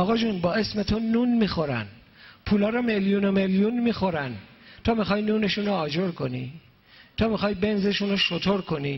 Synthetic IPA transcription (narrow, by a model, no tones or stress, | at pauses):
ɒːɣɒːd͡ʒunbɒːe̞sme̞t̪ʰonuːnmiːxo̞ɾæ̰n | pʰuːlɒːɾɒmeljunomeljunmiːxo̞ɾæn | t̪ʰɒːmixɒːjnuːne̞ʃuːnoɒːd͡ʒoɾkʰo̞ni | t̪ʰɒːmixɒːjbe̞nze̞ʃunoʃot̪ʰoɾkʰo̞ni